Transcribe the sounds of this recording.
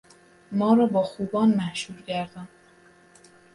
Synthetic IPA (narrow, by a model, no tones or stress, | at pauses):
mɒːɾɒːbɒːxuːbɒːnmæhʃuːɾɟæɾd̪ɒːn